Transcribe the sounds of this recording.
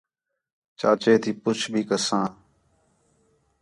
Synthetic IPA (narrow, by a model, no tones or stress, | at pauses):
t͡ʃaːt͡ʃeːt̪ʰiːpʊt͡ʃʰbʱiːkəsãː